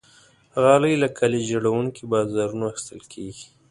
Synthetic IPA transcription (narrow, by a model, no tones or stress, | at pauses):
ɣɑləjlakʰaled͡ʒaɽawuŋkibɑzɑɾunoaxi̥st̪əlkʰeɡi̥